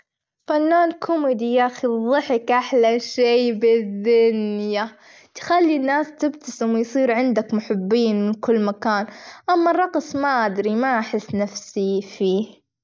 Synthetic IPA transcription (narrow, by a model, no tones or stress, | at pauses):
fanːaːnkʰʊmid̪ijaxiðˤɨħɪkʔaħlaʃeːbɪðːʊnja | t̪xalːinːaːst̪ɪbt̪ʰasɪmwjsˤiːɾʕɪnd̪akmʊħɪbːiːnmɪnkʊlːmakaːnʔamːarˤːɑqsˤmaʔad̪ɾimaʔaħɪsːnafsifiːh